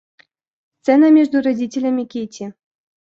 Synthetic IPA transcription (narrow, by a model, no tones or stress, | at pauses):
st̪sɛnɐmʲɛʐd̪uɾad͡zʲit͡sʲelʲɐmʲikʲet͡sʲi